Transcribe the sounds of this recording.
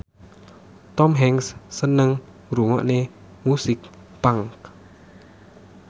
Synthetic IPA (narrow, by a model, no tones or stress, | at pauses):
t̪ɔmɦɛŋsːənəŋ | ɾuŋɔ̰ʔne | musɪk̚ | paŋk